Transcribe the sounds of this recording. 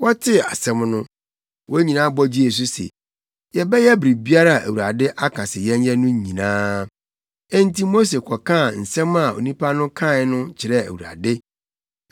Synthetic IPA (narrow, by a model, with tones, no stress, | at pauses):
wɔ˦tʰɪ˦a˨sɛ̃˨mnʊ̃˦ | wɔ˦ɲĩ˨nã˦bɔ˦d͡ʑi˦e˨s̬ʊ˦sɛ̰˨ | jɛ˨bɛ˦jɛ˦bɾi˨bi˦a˦ɾa˦˨ʔæ̰˨wu˨ɾa˨dɪ˦ʔa˦kʰa˨sɪ˨jɛ̃˦ɲ˦jɛ˦nʊ̃˦ɲ˨ɲĩ˨nãː˦ | ɛ̃˦n˦ti˦mo˦s̬e˨kʰɔ˨kʰã˦˨n̩˨sɛ̃˦ma˨o̰˨nĩ˦pʰa˦nʊ̃˦kʰã˦˨˦nʊ̃˦t͡ɕʰɪ˨ɾɛ˦æ̰˨wu˨ɾa̰˨dɪ˦